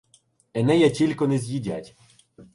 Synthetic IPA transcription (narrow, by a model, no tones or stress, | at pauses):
ɛnɛjatʲilʲkɔnɛzʲjidʲa̰tʲ